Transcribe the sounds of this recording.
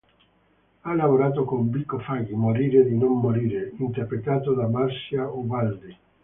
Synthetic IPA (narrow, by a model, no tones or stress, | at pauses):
alavoɾaːt̪̬okombikːofaɡimoɾiːɾed̪inomːoɾiːɾeint̪eɾpɾet̪aːt̪od̪amarsjauvald̪i